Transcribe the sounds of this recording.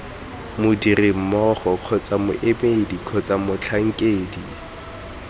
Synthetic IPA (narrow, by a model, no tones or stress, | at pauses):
mʊdirɪm̩mɔχɔq͡χʰɔt͡sʼamʊ̰ʔemedikʰɔt͡sʼamʊt͡ɬʰaŋ̩kʼeːdi